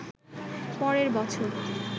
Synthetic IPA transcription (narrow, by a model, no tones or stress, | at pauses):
pɔɾeɾbɔt͡ɕʰoɾ